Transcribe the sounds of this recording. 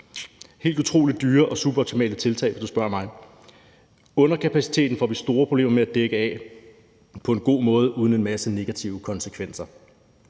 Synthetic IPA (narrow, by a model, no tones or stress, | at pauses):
he̝̰ːld̥ut͡sʰʁo̝̰ːlid̥̚ːyːɐʔɒ̽sub̥ɒʊt͡sʰimɛ̰ːlət͡sʰe̝lt͡sʰɛ̰ɪ̥ɒd̥usb̥ɶɐmɑ̈ɪ | ɔ̽nɐkʰæpʰæsi̥t͡sʰe̝̰ːd̥n̩fɒ̰ːʋisd̥o̝ːɐpʰʁob̥ḛːmɐmeæd̥eɡ̥əɛ̰ | pʰɒ̽e̝nɡ̥o̝̰ːmɔ̽ːð̞ˠəuːð̞ˠən̩e̝nmæsəne̝ɡ̥æt͡sʰiʊəkʰɒ̽nsəkʰʋen̰sɐ